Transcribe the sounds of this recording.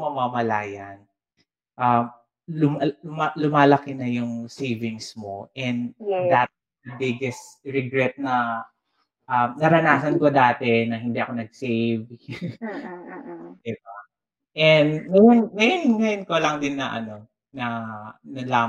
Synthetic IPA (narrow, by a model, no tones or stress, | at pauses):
mɐmamɐlaːjɐn | ʔɐm | lʊmmalʊmaːlɐkɪnɐjʊŋsejvɪŋsmo̞ʔɛnd̪d̪at̪̚ | d̪ɐbɪɡɛst̪ɹɛɡɾɛt̪̚nɐ | ʔɐmnɐɾɐnaːsɐnkod̪aːt̪ɛnɐhɪnd̪iʔɐko̞nɐɡ̚sejv | ɪba | ʔɛnd̪ŋɐjʊnŋɐjonɪnɡɐjɪnkolɐŋd̪ɪnːɐʔɐ̰no̞ | nɐnɐlaː